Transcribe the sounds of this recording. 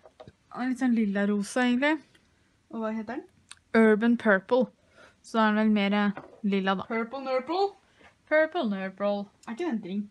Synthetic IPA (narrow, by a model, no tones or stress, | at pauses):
lɪt̪ːsɔnlɪlːɑɾuːsəeːɡənlɪ | ʔɔʋɑːɦeːt̪əɖɛn | øːɹbənpʰœːɹpəl̩ | sɔæɖɛʋɛlmeːɾəlɪlːɑd̪ɑ̰pʰøɹpəlnøːpəl̩ | pʰøːɹpəlnøːpəl | æɪkːəd̪ɛnt̪ɾɪŋː